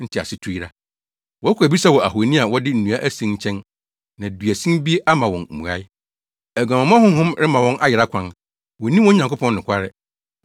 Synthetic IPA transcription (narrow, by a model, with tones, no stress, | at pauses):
n̩˦tʰɪ˨a̰˨sɪ˦tʰu˦i˦ɾa˦ | wɔ˨˦kʰʷu˨æ˨bi˦sa˦wɔ˨æ˨ɦu˨nĩ˦a˨wɔ˦dɪ˦n̩˨nũ˨a˦ʔæ˦sĩ˦ɲ˦t͡ɕʰɛ̃˦n | nã˨dɥæ˨sĩ˦mbi˦e˦ʔa˦mã˨wɔ̃˨n̩˨mṵ̃˨a̰˦ɪ˦ | æ˨ɡã˨mã˨m˦ã˦hʊ̃˦ɦʊ̃˦mɾɪ˦mã˨wɔ̃˦nʔa˦jɪ˨ɾa˦kʷʰã˦n | wɔ˨nĩ˦wɔ̃˦ɲ˨ã˨ŋkʰʷʊ˦pʰɔ̃˦n˦nʊ̃˨kʷʰa˦ɾɪ˦